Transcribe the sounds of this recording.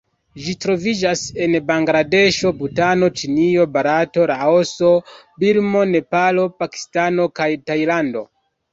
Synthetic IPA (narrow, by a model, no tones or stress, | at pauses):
ʒitɾo̞vid͡ʒase̞nbaŋɡɾade̞ʃo̞butano̞t͡ʃinio̞baɾato̞ɾaoso̞biɾmo̞ne̞palopaki̥stano̞kajtajlando̞̰